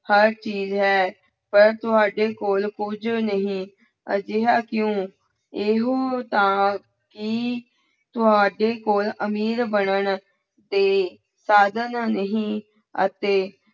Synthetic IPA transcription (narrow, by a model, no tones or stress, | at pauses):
həɾt͡ʃiːzɦɛː | pəɾt̪ʊɦaːɖeːkoːlkʊd͡ʒnəɦĩː | əd͡ʒɪɦaːkjõː | eɦot̪ãː | kɪ | t̪ʊɦaːɖeːkoːləmiːɾbəɳəɳ | d̪eː | saːd̪ənnəɦĩː | ə̰t̪eː